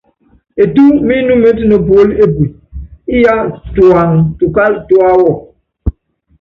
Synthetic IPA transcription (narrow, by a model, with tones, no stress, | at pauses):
e˨tu˦mi˦nu˦me˦tnə˨pwo˦le˦pwi˨ | i˦ja˦twa˨ŋtu˨ka˦ltwa˦wɔ˨